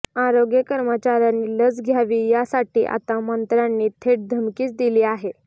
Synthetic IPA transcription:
aɾoɡjəkəɾmət͡ɕaɾjanːiːləd͡zɡʱjaʋiːjasaʈiːʔa̰t̪amənt̪ɾanːiːt̪ʰeʈ̚d̪ʱəmkiːt͡sd̪iliːaɦe

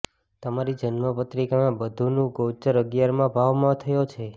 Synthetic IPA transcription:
t̪əmaɾid͡ʒənməpət̪ɾikanãbəd̪ʱunũɡot͡ʃəɾəɡjaɾmãbʱaʋmãt̪ʰəjot͡ʃʰe

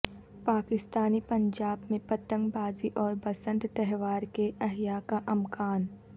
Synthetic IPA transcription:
paːkɪst̪aːnipɐ̃ɲd͡ʒaːbmẽpɐt̪ə̃ŋɡbaːziʔɔːɾbɐsə̃nt̪t̪ɛɦʋaːɾkeʔɐɦjakaʔɐmkaːn

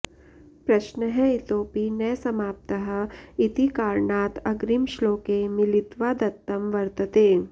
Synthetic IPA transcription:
pɾɐʃnəɦɛit̪oːpinɐjsɐmaːp̚t̪əɦə̆it̪ikaːɾɳaːt̪ɐɡɾimʃloːkemɪlɪt̪ʋaːd̪ɐt̪ːɐmʋɐɾt̪ət̪eː

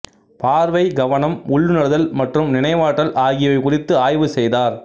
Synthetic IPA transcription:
paːɾʋɐɪɡɐʋɐnɐmʊɭːɯnɐɽɯðɐlmɐʈrɯmnɪnɐɪʋaːʈːɐlʔaːɣɪjɐʋɐɪkʊrɪt̪ːɯaːjʋɯsɛjðaːɾ

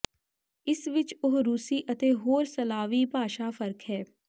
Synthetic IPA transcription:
ɪsʋɪt͡ʃʊɦɾuːsiːʔət̪eːɦoːɾsəlaːʋiːbʱaːʃaːfəɾkɦɛː

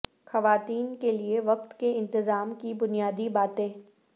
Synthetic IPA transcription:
xɐʋaːt̪iːnkelieʋɐqt̪keɪ̃nt̪ɪzaːmkibʊnijaːd̪ibaːt̪ẽː

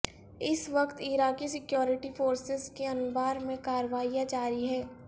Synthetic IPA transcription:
ɪsʋɐkt̪iɾaːkisɪkjɔːɾɪʈifoːɾsɪzkeɐnʊbaːɾmẽkaːɾʋaːijãd͡ʒaːɾiɦɛː

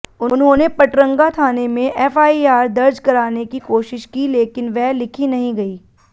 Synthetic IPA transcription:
ʊnɦõːnepɐʈɾə̃ŋɡat̪ʰaːnemẽʔɛːfaːiaːɾd̪ɐɾd͡ʒkɐɾaːnekikoːʃɪʃkileːkɪnʋɛɦlɪkʰinɐɦĩɡɐiː

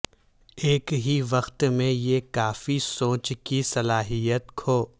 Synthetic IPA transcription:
eːkɦiʋɐxt̪mẽjekaːfisõːt͡ʃkisɐlaːɦijət̪kʰoː

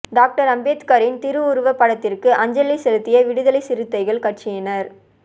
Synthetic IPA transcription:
ɖaːk̚ʈɐɾɐmbeːt̪kaːɾɪnt̪ɪɾɯʊɾɯʋɐpːɐɽɐt̪ːɪrkɯʔɐɲd͡ʒɐlisɛlɯt̪ːɪjɐʋɪɽɯðɐlɐɪsɪɾɯt̪ːɐɪɣɐɭkɐʈt͡ʃɪjɐnɐɾ

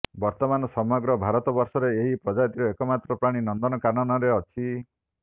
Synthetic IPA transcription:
bɔɾt̪ɔmanɔsɔmɔɡɾɔbʱaɾɔt̪ɔbɔɾsɔɾeeɦipɾɔd͡ʒat̪iɾɔekɔmat̪ɾɔpɾaɽ̃inɔnd̪ɔnɔkanɔnɔɾeɔt͡ʃʰi

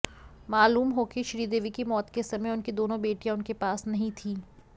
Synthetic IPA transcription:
maːluːmɦoːkeʃɾiːd̪eːʋikimɔːt̪kesɐmɛjʊnkid̪oːnõbeːʈijãʊnkepaːsnɐɦĩt̪ʰiː

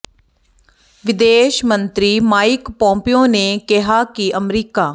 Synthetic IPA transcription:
ʋɪd̪eːʃmənt̪ɾiːmaːɪkpɔ̃ːmpijõːneːkɪɦaːkɪʔəmɾiːkaː

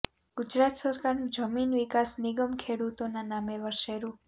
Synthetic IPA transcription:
ɡ̥ud͡ʒɾat̪səɾkaɾnũd͡ʒəminʋikasniɡəmkʰeɽut̪onanameʋəɾʃeɾũ

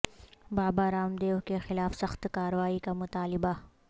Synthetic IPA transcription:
baːbaɾaːmd̪eːɦkexɪlaːfsɐxt̪kaːɾwaːikamʊt̪aːlɪba

